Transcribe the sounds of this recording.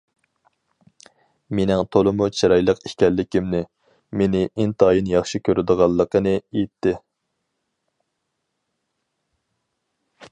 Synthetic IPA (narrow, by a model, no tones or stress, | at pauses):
menɪŋt̪ʰolˠɨmut͡ʃʰiɾɑjlˠəqi̥ʃkʲɛlːɪkʲimnɪ | menɪʔint̪ʰɑːjinjɑχʃikʲʰøɾɪd̪əʁɑlˠːəqːənɨejt̪ʰːɪ